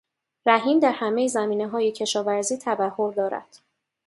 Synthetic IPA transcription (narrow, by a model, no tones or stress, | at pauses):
ɾæɦiːmd̪æɾhæme̞jezæmiːne̞ɦɒːjecʰe̞ʃɒːvæɾziːt̪ʰæbæhːoɾd̪ɒːɾæ̰d̪̥